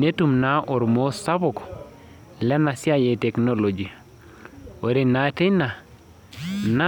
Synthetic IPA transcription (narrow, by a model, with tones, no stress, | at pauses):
ne˦tu˨mna˦ʔo˨ɾmo˦sa˦bʊ˨k | lɛ˦na˨si˦a˦je˨te˨kno˦lo˨d͡ʒi˨ | o˨ɾe˨na˨te˦na˨ | na˦